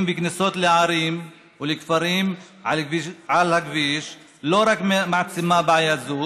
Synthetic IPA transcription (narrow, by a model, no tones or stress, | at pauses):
mbiknisot̪leʕaɾim | ulekfaɾim | ʕalʕalhakviʃ | loɾakmaʕt͡simabʕajazu